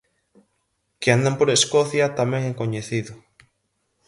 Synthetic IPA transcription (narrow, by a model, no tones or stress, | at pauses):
keand̪ampoɾeskoθjat̪amẽŋeŋkoɲeθiðʊ